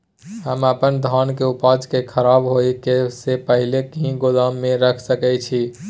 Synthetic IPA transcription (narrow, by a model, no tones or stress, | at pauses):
ɦəməpənd̪ʱɔnkeupad͡ʒkekʰəɾabɦojkesepəɦilekiɦĩɡoləmːeɾəkʰsəkɛt͡ʃʰi